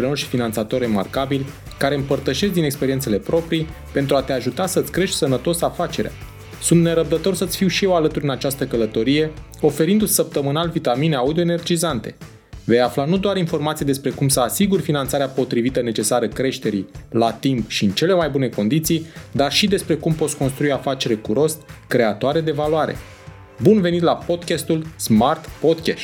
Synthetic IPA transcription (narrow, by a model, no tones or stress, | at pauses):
ɾenorʃi̥finant̪sat̪o̞re̞markabilʲ | kaɾe̞ɨmpərt̪əʃe̞s̬t̪d̪inekspe̞ɾint̪se̞le̞pɾʔo̞pɾi | pe̞nt̪ɾuat̪e̞aʒut̪asəɨt̪sʲkɾe̞ʃt̪ʲsənət̪o̞safat͡ʃe̞ɾea̰ | sunt̪ne̞ɾəb̚d̪ət̪o̞rsət̪sʲfiwʃijewalət̪uɾʲɨnat͡ʃast̪əkələt̪o̞ɾije̞ | o̞fe̞ɾind̪ut̪ʲsəp̚t̪əmɨnalvit̪amineaud̪io̞ene̞rd͡ʒizant̪e̞̥̰ | ve̞jaflanud̪oaɾinfo̞rmat̪sijd̪e̞spɾe̞kumsəasiɡurfinant̪saɾeapo̞t̪ɾivit̪əne̞t͡ʃe̞saɾəkɾe̞ʃt̪e̞ɾḭlat̪impʃiɨnt͡ʃe̞le̞majbune̞ko̞nd̪it̪sijd̪arʃid̪e̞spɾe̞kumpo̞t̪sʲko̞nst̪ɾuijafat͡ʃe̞ɾekuɾo̞st̪kɾe̞at̪oaɾe̞d̪e̞valoaɾe̞̰ | bunve̞nit̪lapo̞d̪kʲast̪ulsmart̪po̞d̪kʲaʃt̪ʲ